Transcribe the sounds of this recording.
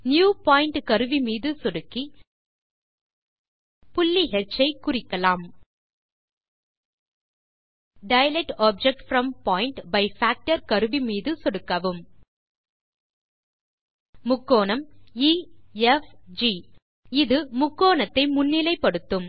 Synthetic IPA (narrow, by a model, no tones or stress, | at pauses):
njuːpaːjɪɳʈkɐɾɯʋimiːðɯsɔɽɯkːi | pʊlːiɦɛt͡ʃːɐɪkʊrɪkːɐlaːm | ɖɐɪɐlɛʈaːb̚d͡ʒɛk̚ʈfɾɐmpaːɪɳʈbɐɪfaːk̚ʈɐɾkɐɾɯʋimiːðɯsɔɽɯkːɐʋɯm | mʊkːoːnɐmiɛfd͡ʒiː | ɪðɯmʊkːoːnɐt̪ːɐɪmʊnːɪlɐɪpːɐɽɯt̪ːɯm